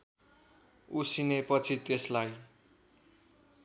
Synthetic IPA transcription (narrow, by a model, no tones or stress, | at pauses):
usinepʌt͡sʰit̪eslaj